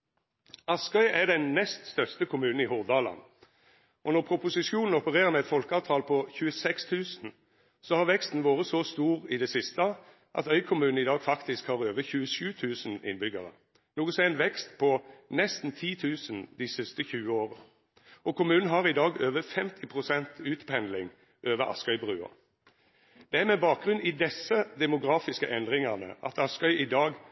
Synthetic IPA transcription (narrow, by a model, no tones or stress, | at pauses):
ɑskœʏɛd̪ɛnnɛst̪st̪œʁst̪əkʰʊmʉːnn̩ɪhʊʁd̪ɑːlɑ̰n | ɔnɔʁpʰɾʊpʊsɪʃjuːnn̩ɔpəʁeːʁəʁmɛɛt̪fɔlkəɑːʋt̪ʰɑːlpʰɔçʉːəsɛkst̪ʰʉːsən̩ | sɔhɑʁʋɛkst̪n̩ʋoːʁəsɔst̪uːʁɪd̪ɛsɪst̪ə | ʔɑ̰t̪œʏkʰʊmʉːn̩ɪd̪ɑːɡfɑkt̪ɪskhɑːʁøːʋəçʉːəʃʉːt̪ʰʉːsnɪ̰nbʏɡəʁə̰ | nuːɡəsɛːnʋɛkst̪pʰɔnɛst̪n̩t̪ʰiːt̪ʰʉːsənd̪ɪsɪst̪əçʉːəoːʁə | ɔkʰʊmʉːnn̩ɦɑʁɪd̪ɑːɡøːʋəfɛmt̪ʰɪpʰʁʊsɛnt̪ʉːt̪pʰɛnlɪŋ | ʔøːʋəɾɑ̰skœʏbʁʉːɑ̰ | d̪̥ɛæɾmɛbɑːk̚ɡʁʉnɪd̪ɛsːəd̪ɛmʊɡɾɑːfɪskəʔɛnd̪ʁɪŋɑnə̰ʔɑ̰t̪ʰɑskœʏʔɪd̪ɑːɡ